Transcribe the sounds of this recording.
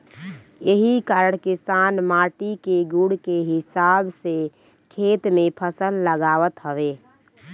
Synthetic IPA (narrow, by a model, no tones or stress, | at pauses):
jeɦikaːɾəɽ̃kɪsanmaːʈikeɡuɽkeɦɪsabse | kʰet̪mẽpʰəsəlːəɡaːʋət̪ɦəʋe